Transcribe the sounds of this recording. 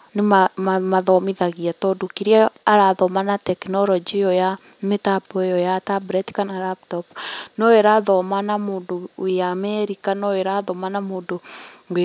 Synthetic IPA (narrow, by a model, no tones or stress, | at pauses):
nemaamaðɔmeðaɣiatɔdokiɾiɛaɾaðɔmanatɛkinɔɾɔd͡ʒijɔja | metabɔejɔjatabɾɛtkanaɾaptɔpnɔeɾaðɔmanamoːndoamɛɾikanɔeɾaðɔmanamoːndoŋɡe